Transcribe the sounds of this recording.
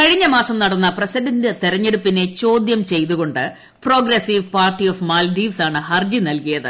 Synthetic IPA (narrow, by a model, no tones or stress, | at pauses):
kɐɻiɲːɐmaːsɐmnɐɽɐnːɐprɐsidɐndɨt̪eɾɐɲːe̞ɽupːine̞t͡ɕo̞ːd̪jɐmt͡ɕe̞jt̪uɣo̞ɳɖɨ | pro̞ːɡɾesiʋpaːrʈːioːfmaːlɖiːʋsaːɳɨhɐrd͡ʑinɐlkijɐðɨ̰